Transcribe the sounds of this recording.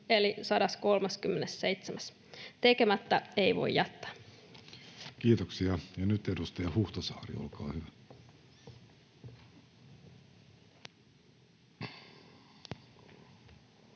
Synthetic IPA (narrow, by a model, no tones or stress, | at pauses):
elisɑdɑsko̞lmɑskymːenessejt̪semæs | t̪ekemæt̪ːæeiʋo̞̰ijjɑt̪ːɑ̥ː | kiːt̪oksiɑjɑnyt̪edust̪eɑhuht̪ɑsɑːrḭo̰lkɑːhyʋæ